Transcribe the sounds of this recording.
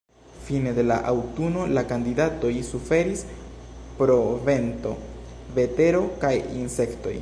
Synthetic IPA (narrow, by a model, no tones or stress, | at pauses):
fine̞de̞la̰ʔawtuno̞lakandidato̞jsufe̞ɾis | pɾo̞ve̞nto̞̰ | ve̞te̞ɾo̞kajinse̞kto̞̰j